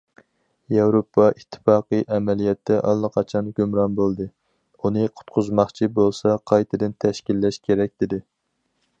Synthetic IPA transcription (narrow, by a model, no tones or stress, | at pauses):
jɛwɾopʰːɑʔit̪ʰːɨ̥fɑːqɨʔɛmɛlijɛt̪ʰːɛʔɑ̰lˠːɨqʰɑt͡ʃʰɑnɡʲømɾɑnbolˠd̪ɨ | unɨqʰʊ̥t̪qʰʊzmɑχt͡ʃʰibolˠsɑqʰɑjt̪ʰɨd̪ɨnt̪ʰɛʃkʲilːɛʃkʲʰeɾɛk̚ʲd̪ɪd̪ɪ